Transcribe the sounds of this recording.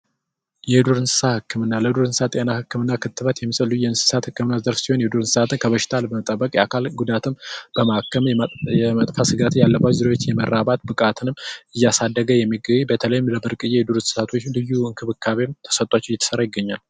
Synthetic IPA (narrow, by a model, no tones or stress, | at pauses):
jɛhɨd̪uɾɨnsɨ̥sahɨkːɨmɨnːaləd̪uɾɨnsɨsat̪ʼːjenahɨkːɨmɨnːakʰɨt̪ʰːɨβət̪jɛmːsʼəlːujɛɨnsɨ̥sat̪hɨkːɨmɨnːazəɾfsiho̞njɛd̪uɾɨnsɨ̥sat̪ɨnkʰəβəʃɪ̥t̪ʰalbəmət̪ʼəbːəkʼjɛakʰalɡud̪at̪ʰɨmb̥əmakːəmjɛmət̪ʼfasɨɡat̪ʰɨjalːəbat͡ʃzɨɾewot͡ʃːjɛmərːaβat̪bɨkʼat̪ʰɨnɨmɨjːasad̪ːəɡəjɛmːiɡəβbət̪ʰələjɪmləbɨɾkʼɨjeɛd̪uɾɨnsɨ̥sat̪ʰot͡ʃːlɨjːuɨŋkʰɨβɨkʰːaβemt̪ʰə̥sət̪ʼat͡ʃːɪjɛt̪ʰːə̥səɾajɪɡːəɲːal